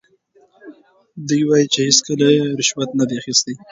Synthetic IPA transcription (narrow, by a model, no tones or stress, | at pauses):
d̪ujwajit͡ʃehɪskəlajeɾɪʃwat̪nad̪eaxist̪e